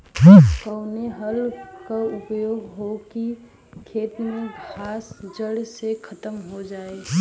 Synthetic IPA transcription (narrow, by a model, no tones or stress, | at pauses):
kəʊneɦəlkaʊpjoːɡɦoki | kʰeːt̪mẽɡʱaːsd͡ʒəɽsekʰət̪əmɦod͡ʒaːe